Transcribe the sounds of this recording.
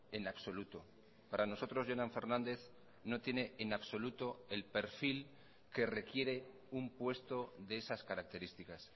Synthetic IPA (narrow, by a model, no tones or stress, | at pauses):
e̞naβso̞lut̪o̞ | paɾano̞so̞t̪ɾo̞zʝonaɱfe̞ɾnãnd̪e̞θ | no̞t̪je̞ne̞ʔenaβso̞lut̪o̞e̞lpe̞ɾfil | ke̞re̞kje̞ɾe̞ | umpwe̞st̪o̞ðeesaskaɾak̚t̪e̞ɾist̪ikas